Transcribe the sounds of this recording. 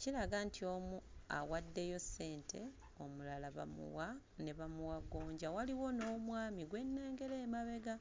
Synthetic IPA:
cilaɡantʰio̞mua̰wadːe̞jo̞sːe̞ːntʰe̞ | o̞mulalaβa̰mṵwa | neβamuwaɡo̞ːɲɟawaliwo̞no̞ːmwaːmiɡwe̞nːe̞ːŋɡe̞leːmaβe̞ɡa

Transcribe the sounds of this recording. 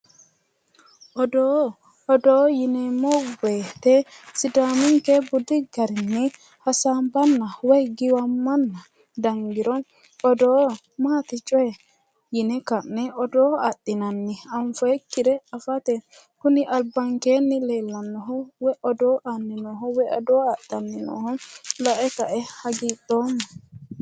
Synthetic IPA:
ʔɔdɔː | dɔjinɛmɔɡɛt̪ɛsidamiŋkɛbudiɡaɾinːi | hasambanːawɛɡiwamːanːa | daŋɡiɾɔn | ɔdɔ | mat̪it͡ʃʼɔɛ | jɪnɛkɐnːɛɔd̪oːatːɪnɐnːɪɐɱfɔɛkːɪɾɛɐfɐt̪ɛ | kʊnɪʔɐlbɐŋkeːnːɪleːlːɐnːɔɦɔwɛʔɔd̪oːʔanːɪnɔɦɔwɛɔ̰d̪oːatːɐnːɪnɔ̰ːhɔlɐʔɛkɐʔɛhɐɡiːt̪ʼːoːmːɐ

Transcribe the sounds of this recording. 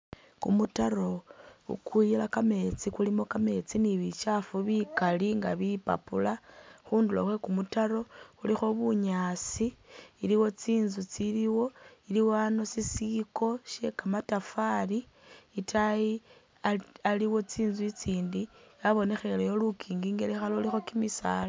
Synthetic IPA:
kumutaɾo̞ṵkuilakame̞t͡sikulimo̞kame̞t͡siniβit͡ʃafuβikaliŋɡa̰βipa̰pulaxuːndulo̰we̞kumutaɾo̞xulixo̞βuɲasiːliwo̞t͡siːnzut͡siliwo̞iliwano̞sisiko̞ʃe̞kamatafali | itʰaji | aaliwo̞t͡siːnzuit͡siːndijaβo̞ne̞xe̞lejo̞lukʰiːŋɡiːŋɡelexaloulixo̞kimisa̰ːla

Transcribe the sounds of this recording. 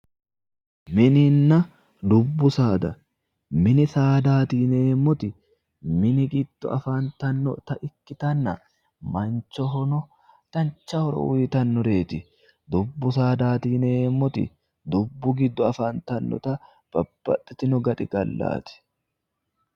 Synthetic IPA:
mɪnɪnːɐ | d̪ʊbːʊsaːd̪ɐ | mɪnɪsaːd̪aːt̪iːneːmːɔt̪ɪ | mɪnɪɡɪd̪̥ːɔɐfaːnt̪ɐnːɔ̰t̪ɐʔɪkːɪt̪ɐnːɐ̰ | mɐnt͡ʃːɔɦɔnɔ | t̪ɐnt͡ʃːɐhɔɾɔ̰ʊɪt̪ɐnːɔɾe̞ːt̪ɪ | d̪ʊbːʊsaːd̪aːt̪iːneːmːɔt̪ɪ̰ | d̪ʊbːʊɡɪd̪ːɔɐfaːnt̪ɐnːɔ̰t̪ɐ | b̥ɐb̥ːɐ̰t̪ʼːɛt̪ɪnɔɡɐt̪ʼɪɡɐlːa̰ːt̪ɪ̥

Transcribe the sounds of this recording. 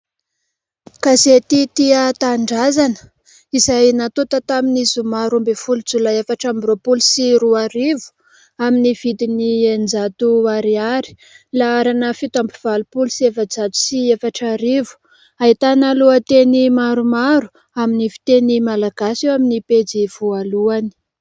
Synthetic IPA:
kazet̪it̪iat̪aɳɖ͡ʐazanə̥ | izajnat̪ut̪ət̪aminizumaɾumbefulud͡zulaefaʈ͡ʂambropulusiɾuaɾivu̥ | aminiv̥id̪iniend͡zat̪uaɾiaɾi̥ | laaɾanəfit̪ampiv̥alupulusievad͡zat̪u̥siefaʈ͡ʂaɾivu̥ | aɦit̪analuat̪enimaɾumaɾu̥ | aminifi̥t̪enimalaɡasewaminiped͡ziv̥ualuani̥

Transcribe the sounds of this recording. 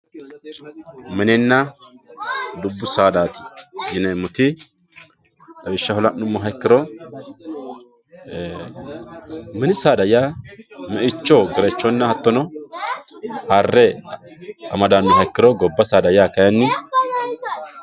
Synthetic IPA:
mɛnɛnːɐ | d̪ʊbːʊsaːd̪aːt̪ɪ̥jɪnɛmʊt̪ɪ | ɐbɪʃːɐhɔlɐʔnʊmːɔɦɐjkːɪɾɔ | mɛnɪsaːd̪ɐjamɛʔɪt͡ʃːɔɡɛɾɛt͡ʃːɔnːɐhɐt̪ːɔnɔ | harːɛ | ɐmɐd̪aːmːɪɦɐjkːɪɾɔɡɔbːɐsaːd̪ɐjakɐjɐnːɪ

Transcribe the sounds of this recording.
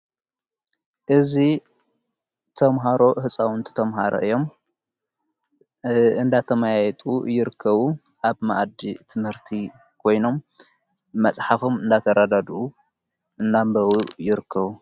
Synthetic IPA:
ʔɨzi | t̪ʰɐmɦaɾo̞ʔhɨsʼawnt̪ʰɨ̥t̪ʰɐmɦaɾo̰ʔɨjːo̞m | ɨnd̪at̪ʰɐmajajɛt̪ʼujɪɾɨkʰːɐβu | ʔaβmaʔd̪it̪ʰɨmhɨɾt̪ʰi | kʰo̞jno̞mː | ɐsʼħafo̞mɨnd̪at̪ʰɐɾad̪ad̪u | ɨnːambɐwujɪɾɨkʰːɐβu

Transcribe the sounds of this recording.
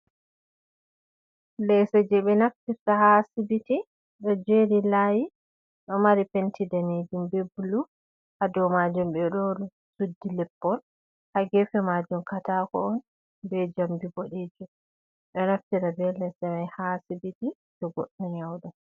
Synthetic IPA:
lɛsɛd͡ʒɛɓɛnaftiɾtaɦasibiti | ɗɔd͡ʒeɾilaːji | ɗɔmaɾipentʰidaned͡ʒumbebulu | ʔadɔwmad͡ʒumbɛɗolu | sudːilɛpːɔn | haɡɛfɛmad͡ʒumkatakɔ̰ɔn | bɛd͡ʒambiɡoɗeːd͡ʒum | ɗɔnaftiɾabɛlɛsɛmajhasibiti | d͡ʒɔɡɔ̰ɗːɔɲawɗa

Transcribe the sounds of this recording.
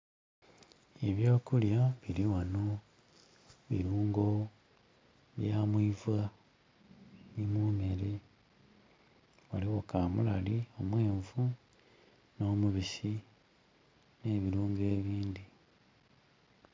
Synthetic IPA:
eβjo̞ːkuljaβiɾiwano | βḭɾuːŋɡo̞ | βjamwivɣa | nimume̞ɾe | waliɣo̞kamṵla̰lio̞mwe̞ːɱvu | no̞ːmuβisi | ne̞ːβiɾuːŋɡe̞ːβiːndi

